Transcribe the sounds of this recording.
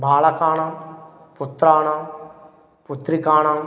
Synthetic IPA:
bʱaːlɐkaːɳam | put̪ɾaːɳam | put̪ɾikaːɳam

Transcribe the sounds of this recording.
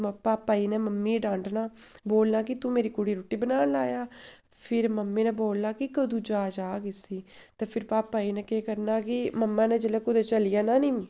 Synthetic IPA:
əpaːpːaːiːnɛːməmːiːɖãːɳʈnaːboːlnaːk̬ɪt̪ũmeːɾiːkʊɽiːɾoːʈːiːbənaːnlaːjaː | pʰɪɾməmːẽːnɛ̃ːboːlnaːkɪkəd̪ũːd͡ʒaːd͡ʒaːɡɪsiːt̪eːpʰɪɾpaːpːaːiːnɛːkeːkəɾnaːkɪməmːãːnɛ̃ːd͡ʒəlɛːkʊd̪eːt͡ʃəlɪjaːnaːniːiː

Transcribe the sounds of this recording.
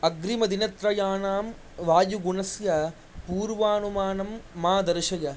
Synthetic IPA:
ɐɡɾɪmɐd̪ɪnɐt̪ɾɐjaːnaːm | ʋaːjuɡʊnɐsjɐ | puːɾʋaːnumaːnɐmːaːd̪ɐɾɪʂɐjɐ

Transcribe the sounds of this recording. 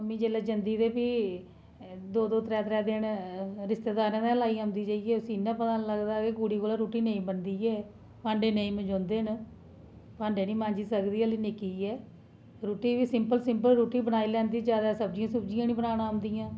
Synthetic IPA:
əmːĩːd͡ʒeːlɛːd͡ʒənd̪iːd̪eːpiː | d̪oːd̪oːt̪ɾɛːt̪ɾɛːd̪eːnɾɪst̪eːd̪aːɾ̃d̪ɛ̃ːlaːiːãːmd̪iːd͡ʒaːiɛːʊsĩːɪnːãːpət̪ãːnləɡd̪aːkekuːɽiːkoːlãːɾuːʈiːnəĩːbənd̪iːɛː | pãːɳɖeːneĩːmə̃d͡ʒɔ̃ːnd̪eːn | pãːɳɖeːnĩːmãːɲd͡ʒiːsəkd̪iːəlinɪkiːɛː | ɾoːʈiːʋiːsɪmpəlsɪmpəlɾuːʈiːbənaːilɛ̃ːnd̪iːd͡ʒjaːd̪aːsəb̚d͡ʒijãːsəbd͡ʒɪjãːnĩːbənaːnãːəmd̪iːjãː

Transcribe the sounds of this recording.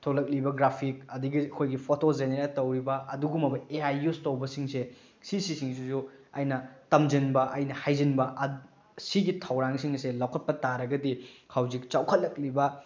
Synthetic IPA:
tʰolɐk̚libɐɡɾapʰik̚ɐdiɡiɐkʰojɡipʰotod͡ʒeneɾatɐwɾibɐɐduɡumɐbɐeajustowbɐsiŋse | sisisiŋsusuɐ̰jnɐtɐmd͡ʒinbɐʔɐjnɐhajd͡ʒinbɐʔɐ | siɡitʰɐwɾaŋsiŋnɐselawkʰɐt̚pɐtaɾɐɡɐdihʰawzik̚t͡ʃawkʰɐt̚lɐk̚libɐ

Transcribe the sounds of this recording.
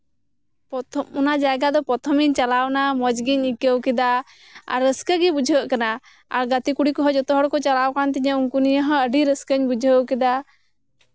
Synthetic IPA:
p̪unad͡ʒaɡad̪ɔpɔt̪ʰɔmiɲt͡ʃalawnamɔd͡ʒɡiɲikəwkɛd̪a | a̰ɾːəskəɡɛbud͡ʒʱəʔkana | a̰ɾɡət̪ikuɽikɔɦɔd͡ʒɔt̪ɔɦɔɽkɔt͡ʃalawkant̪iɲəuŋkunijəɦɔ̃əɖiɾəskəɲbud͡ʒʱəwkɛd̪a

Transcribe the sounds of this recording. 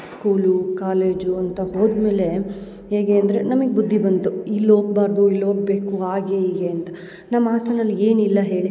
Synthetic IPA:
skuːlukaːle̞ːd͡ʒuɐnt̪ɐho̞ːd̪me̞ːle̞ | ɦeːɡeːɐnd̪ɐɾenɐmɐɡebud̪ʱːibɐnt̪uilːo̞ːɡ̚baːɾd̪uilːoːɡ̚be̞ːkuaːɡeiːɡeɐnt̪ɐ̥ | nɐmːaːsɐnɐlːie̞ːnilːɐɦe̞ːɭi

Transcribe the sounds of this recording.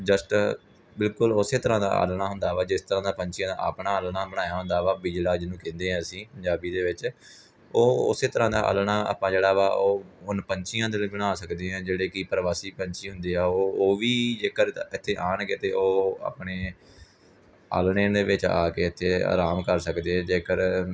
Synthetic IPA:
d͡ʒəsʈ | bɪlkʊlʊseːt̪əɾãːd̪a̰ːʔa̰ːlɳaːɦʊnd̪aːʋaːd͡ʒɪst̪əɾãːd̪aːpəɲt͡ʃɪjãːd̪a̰ːa̰ːpɳaːəlɳaːbəɽãːjaːɦʊnd̪aːʋaːbid͡ʒlaːd͡ʒnũːkẽnd̪eːɛ̃ːəsĩːpəɲd͡ʒaːbiːd̪eːʋɪt͡ʃ | oːʊ̰seːt̪əɾãːd̪a̰ːʔə̰ːlɳaːa̰ːpãːd͡ʒeːɽaːʋaːʔoːɦʊnpəɲt͡ʃɪjãːd̪ebəɽ̃aːsəkd̪eːɦɛ̃ːd͡ʒeːɽeːkɪpəɾʋaːsiːpəɲt͡ʃiːɦʊnd̪eːaːoːoːʋiːd͡ʒeːkəɾɪt̪ʰːeːʔaːɳkeːt̪eːʔoːa̰ːpɳeː | a̰ːlɳẽːd̪eːʋɪt͡ʃaːkeːɪt̪ʰːeːa̰ːɾaːmkəɾsəkd̪eːɛ̃ːd͡ʒeːkəɾ

